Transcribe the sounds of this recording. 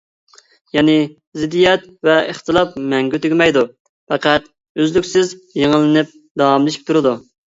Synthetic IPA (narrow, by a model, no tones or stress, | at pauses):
jɛnɪ | zɪd̪ːijɛt̪̚ | vɛəχt̪ɨlˠɑp̚mɛŋɡʲøt̪yɡʲɪmɛjd̪u | fɛqʰæt̪ | øzlykʲsɪzjeŋəlːɪnɪp̚ | d̪ɑɑmlˠɨʃi̥p̚t̪ʰuɾɨd̪u